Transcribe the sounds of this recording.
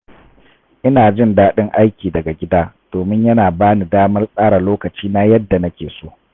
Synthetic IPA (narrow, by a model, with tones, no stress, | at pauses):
ʔɪ˦naː˨d͡ʒɪ˦˨ndaː˦ɗɪ˦ŋʔa˦jkʲiː˨dɐ˨ɡa˨ɡʲɪ˦daː˦d̥oː˨mɪ˦ɲjɐ˦naː˨baː˦ni˨daː˦mɐ˦rsʼaː˦ɽa˨loː˦kɐ˨t͡ʃiː˦na˦jɐ˦dːa˨nɐ˦kʲeː˨soː˦